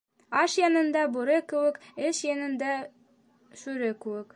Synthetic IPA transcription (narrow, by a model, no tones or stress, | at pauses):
ɑʃjɑnɤ̆nd̪ɑbuɾɤkɘ̆wɘkɘʃjɑnɤ̆nd̪ɑ | ʃʉɾɘkɘ̆wɘk